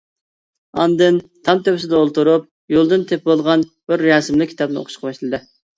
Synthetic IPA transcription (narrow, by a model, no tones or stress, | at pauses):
ɑ̰nd̪ɨnt̪ʰɑmt̪ʰøwɪsɪd̪ɛolˠt̪uɾup̚ | jolˠd̪ɨnt̪ʰep̚bolˠʁɑnb̥ɪɾːɑsɪmlɪkʲʰit̪ɑp̚nɨo̰qʰʊ̥ʃqʰɑbɑʃlˠɨd̪ɨ